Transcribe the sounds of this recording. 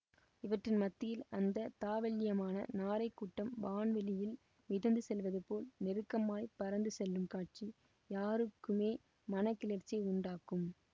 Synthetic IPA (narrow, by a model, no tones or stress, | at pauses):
ɪʋɐʈrɪnmɐt̪ːɪjɪlɐnd̪ɐt̪aːʋɐlːɪjɐmaːnɐ̰naːɾɐɪkːuʈːɐmbaːnʋɛlɪjɪl | mɪðɐnd̪ɯsɛlʋɐðɯpoːlnɪɾɯkːɐmaːjpɐɾɐnd̪ɯsɛlːɯmkaːʈ̚t͡ʃi | jaːɾɯkːɯmeː | mɐnɐkːɪlɐɾt͡ʃːijɐɪʊɳɖaːkɯm